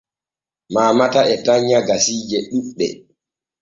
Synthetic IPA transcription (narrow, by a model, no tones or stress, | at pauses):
maːmataʔɛtaɲːaɡasiːd͡ʒɛɗuɗɛ̰